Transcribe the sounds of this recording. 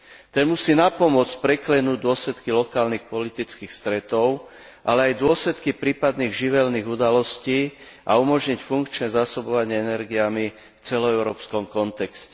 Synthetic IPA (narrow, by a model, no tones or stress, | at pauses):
t̪ɛnmusiːnapɔmʊɔt͡sc̚pɾɛklɛnuːɟd̪ʊɔslɛt̪kilɔkaːlnixpɔlit̪it͡skiːxst̪ɾɛt̪ɔʊ | ʔalɛajd̪ʊɔslɛt̪kipɾiːpad̪niːɣʒiʋɛlniːɣud̪alɔsciː | ʔaumɔʒɲicfuŋkt͡ʃnɛzaːsɔbɔʋaɲɪɛɛnɛɾɡijami | ft͡sɛlɔɛʊɾɔːpskɔmkɔnt̪ɛkscɛ